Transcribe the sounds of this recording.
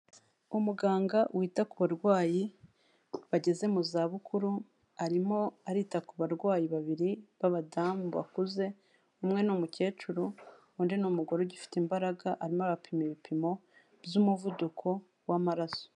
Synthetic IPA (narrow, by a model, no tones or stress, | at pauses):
umuɡaːŋɡawʔiːtakuβaɾɡwaːji | βaɟe̞ze̞muzaːβukʰuɾu | aɾimo̞aɾiːtakuβaɾɡwaːjiβaβiɾiβaβadaːmuβa̰kuze̞ | umŋe̞numuce̞ːt͡ʃuɾu | uːndinumuɡo̞ɾoɟifi̥timbaɾaɡaʔaɾimoβapʰimiβipʰimo̞ | bjumuvudukʰo̞ | wamaɾaso̥